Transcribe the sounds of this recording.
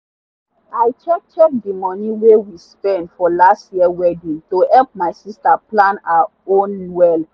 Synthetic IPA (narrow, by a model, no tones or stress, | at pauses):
aɪt͡ʃɛk̚t͡ʃɛk̚dimɔ̃niwewispɛ̃ndfɔlastjiəwɛdĩŋtohɛlp̚maɪsistaplãnaa | õnwɛl